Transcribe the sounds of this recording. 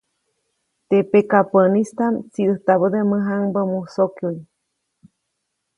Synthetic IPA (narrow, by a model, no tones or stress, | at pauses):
t̪epekapənist̪amt͡siɨht̪aβəd̪eməɦaŋbəmusokjuj